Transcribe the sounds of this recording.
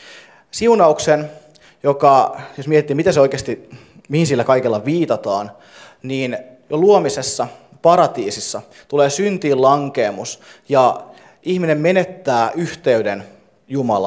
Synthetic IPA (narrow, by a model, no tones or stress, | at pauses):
siunɑuksen | jokɑjosmiet̪it̪ːmit̪æseoikˑest̪i | mihinsilːækɑikelːɑʋiːt̪ɑt̪ɑːn | niːn | joluomisesːɑ | pɑɾɑt̪iːsisːɑ | t̪uleːsynt̪iːlɑŋke̞ːmusjɑ | ihminemme̞net̪ːæːyht̪eyden | jumɑ̰lɑ̰